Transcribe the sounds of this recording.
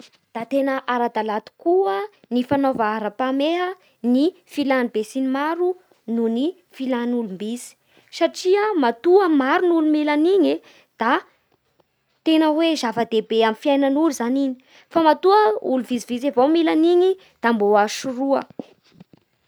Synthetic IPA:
d̪̥at̪enəʔaɾad̪alat̪u̥kuə | nifanovaaɾapameɦə | ni | filanibesinimaɾu | nuni | filanulumbisi̥ | saʈ͡ʂiəmat̪uəmaɾunulumilaniɲi | d̪̥a | t̪enəwezavəd̪ebeamifiajnənuluzaniɲi̥ | famat̪uəuluvizivizevomilaniɲi | d̪̥amboaʃuruə

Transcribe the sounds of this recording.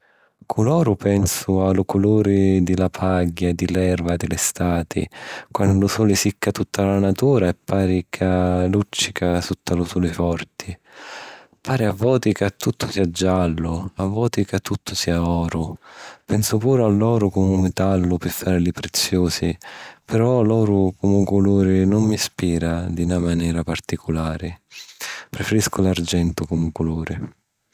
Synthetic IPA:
kʰulɔːɾʊpɛnsʊalʊkʊluːɾɪd̪ɪlapʰaɡːad̪ɪlɛrvad̪ɪlɪst̪aːt̪ʰɪ̰kwanʊlʊsuːlɪsikːat̪ut̪ʰːalanat̪uːɾaɛpːaːɾikʰalut͡ʃːi̥kʰasut̪ːalʊsuːlɪfɔrt̪ʰɪ | paːɾiavːɔːt̪ikat̪ːut̪ʰːʊ̥siːad͡ʒːalːʊavːɔːt̪ikat̪ʰːut̪ːʊsiːaɔːɾʊpɛnsʊpuːɾʊalːɔːɾʊkɔmʊmɪt̪alːʊpɪfːaːɾlɪpɾet̪sːjoːsipɛɾɔlɔːɾʊkʊmʊkʊluːɾɪnʊmːispiːɾad̪inamanɛːɾapart̪ikʰʊlaːɾɪ | pɾɛfɛɾiskʊlard͡ʒɛnt̪ʊkʊmʊkʊluːɾɪ

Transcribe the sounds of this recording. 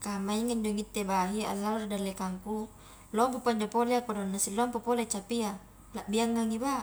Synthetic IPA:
kamaiŋind͡ʒoŋit̪ːebaɦia̰lːalrdalːekaŋku | lɔmpupaɲd͡ʒapoleakodonːasilːɔmpopolet͡ʃapia | laʔbiaŋːaŋiba

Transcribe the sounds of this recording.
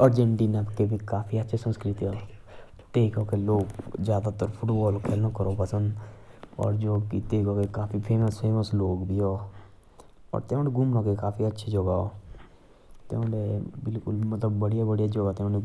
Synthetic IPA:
əɾd͡ʒeɳʈiːnəpkebʱikaːpʰiətːʃʰesə̃nskɾɪt̪iɦoː | t̪eːkoːkeloːkzjaːd̪at̪əɾpʰʊʈbɔːlkʰeːlnakəɾoːpəsə̃nd̪ɔ̰ːɾd͡ʒoːkit̪eːkokekaːpʰipʰeːməspʰeːməsloːɡbʱiːɦoː | ɔ̰ːɾt̪eõneɡʊmnaːkekaːpʰiːətːʃʰed͡ʒoɡaoː | t̪ḛõːɖebɪlkʊlmət̪ləbːəɽijabəɽijaːd͡ʒoɡaːt̪eõːne

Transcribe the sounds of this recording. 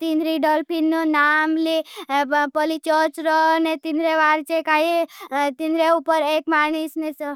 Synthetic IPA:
t̪inɾiɖɔlpʰinːonaːmli | pɔlit͡ʃɔt͡ʃɾɔnet̪inɾeʋaːɾt͡ʃekaːɦit̪inɾeupəɾeːkmaːñisnes

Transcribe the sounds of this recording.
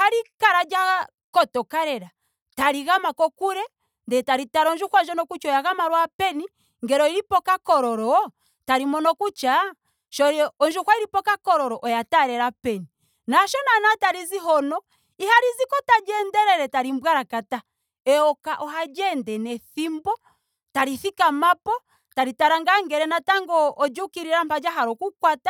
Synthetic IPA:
haɾikaɾad͡ʒa | kɔtɔkaɾɛɾa | taɾiɣamakɔkuɾɛ | ndɛtaɾitaɾɔnd͡ʒukwand͡ʒɔnɔkut͡ʃɔjaɣamaɾwapɛni | ŋɡɛɾɔiɾipɔkakɔɾɔɾɔ | taɾimɔnɔkut͡ʃa | ʃɔɾɔnd͡ʒukwaiɾipɔkakɔɾɔɾɔʔɔjataɾɛɾapɛni | naʃɔnanataɾiziɦɔnɔ | ihaɾizikɔtad͡ʒɛndɛɾɛɾɛtaɾimbwaɾakata | ɛɔkaʔɔɦad͡ʒɛndɛnɛθimbɔ | taɾiθikamapɔ | taɾitaɾaŋɡaŋɡɛɾɛnataŋɡɔːd͡ʒukiɾiɾam̩pad͡ʒaɦaɾɔkukwata

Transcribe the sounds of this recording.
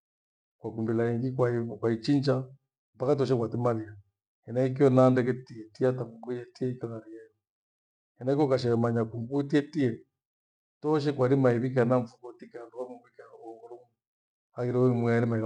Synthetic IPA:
kwakumbilaiŋɡikwakwait͡ʃind͡ʒa | m̩pakatɔʃ̬ɛkwatimalia | ɛnaik̬iɔnandɛk̬ɛtiɛtiataŋumbujɛtiɛikaŋaɾijajɔ | ɛnaikɔkaʃ̬ɛɣɛmaɲakumbuitiɛtiɛ | tɔʃ̬ɛkwaɾimaiβik̬anaɱfukɔtikanduwakumbuikaɾɔɔɣɔɾɔŋ | aɣiɾɔmwiaɾimai

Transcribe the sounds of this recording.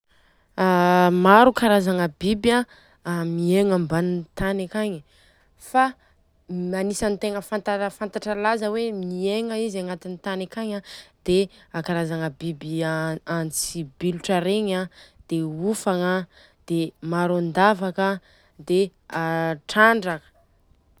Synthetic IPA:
amaɾukaɾazaŋəbiba | mieŋambanint̪anakaɲi | fa | anisant̪eŋəfant̪afant̪aʈ͡ʂəlazəwemieŋəizaŋat̪init̪anakaɲad̪̥eakaɾazaŋəbibiant͡sibiluʈ͡ʂaɾeɲad̪̥eufaŋə | d̪̥emaɾuand̪avakə | d̪eaʈ͡ʂaɳɖ͡ʐakə̥

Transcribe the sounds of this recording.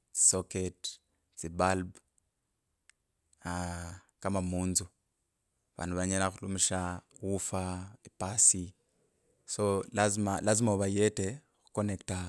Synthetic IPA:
t͡si̥soket | t͡sibalb | a | kamamuːnzu | aβa̰ːnuβaɲanaxulumiʃawufaepasi | solazimalazimaβajete | xu̥konekta

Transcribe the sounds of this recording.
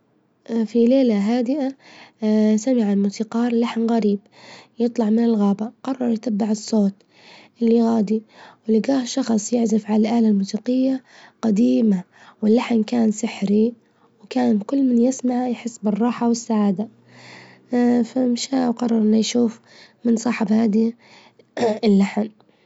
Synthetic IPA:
fileːlaɦaːd̪ɪʔa | samɪʕalmʊsiqɑːɾˤlaħnɣaɾiːb | jɨt̪ˤlɑʕmɪnɪlɣaːbaqɑrˤːɑɾˤjɪt̪abːɪʕɨsˤːoːt̪ | ʔɪlːiɣaːd̪iwɪlɪɡaːhʃɑxsˤjɪʕzɪfʕalalʔaːlalmuːsiːqɪjːaqad̪iːma | wɪlːaħnkaːnsɪħɾi | wkaːnnkʊlːmɪnjɪsmaʕjħɪsːbɪrˤːɑːħawɪsːaʕaːd̪a | famʃaːwqɑrˤːɑɾˤʔɪnːajʃuːf | mɪnsˤɑːħɪbhaːd̪i | ɪlːaħn

